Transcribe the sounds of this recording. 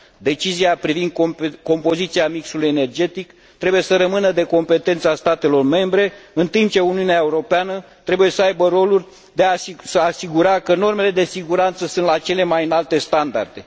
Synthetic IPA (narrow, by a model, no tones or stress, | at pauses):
d̪e̞t͡ʃiziapɾivind̪̚ko̞mpo̞zit̪siamiksuluje̞ne̞rd͡ʒe̞t̪ik | t̪ɾe̞buje̞səɾəmɨnəd̪e̞ko̞mpe̞t̪e̞nt̪səast̪at̪e̞lo̞rme̞mbɾe̞ɨnt̪imp̚t͡ʃe̞uniuneaeuɾo̞peanət̪ɾe̞buje̞səajbəɾo̞lurʲ | d̪e̞asəaːsiɡuɾakəno̞rme̞le̞d̪e̞siɡuɾant̪səsunt̪lat͡ʃe̞le̞majɨnalt̪e̞st̪and̪a̰rd̪e̞